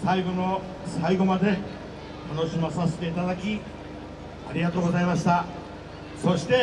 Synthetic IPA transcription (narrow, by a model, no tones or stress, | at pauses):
saiɡo̞no̞ | saiɡo̞mad̪e̞ | t̪ano̞ɕimasase̞̥t̪e̞it̪ad̪akʲi | a̰ɾʲiɡat̪o̞ːɡo̞zaimaɕi̥t̪a | so̞ɕi̥t̪e̞